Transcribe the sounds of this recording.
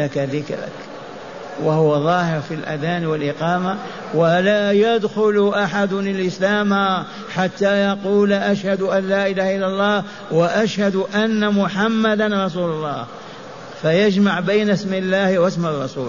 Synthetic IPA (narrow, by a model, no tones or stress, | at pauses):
akaðɪkɾɪ̰k | wahʊwaðˤɑːhɪɾfilʔa̰ðaːnwɪlʔɪqɑːma | walaːjad̪xʊlʔaħad̪ʊnɪlʔɪslaːma | ħat̪ːajɑquːlʔaʃhad̪ʊʔanlaːʔɪlaːhaʔɪlːalˤːɑːh | waʔaʃhad̪ʔanːamʊħamːad̪anɾˤɑs̬uːlʊlˤːɑ̰ːh | fajad͡ʒmaʕbajnasmɪlːaːhwasmɑrˤːɑsṵː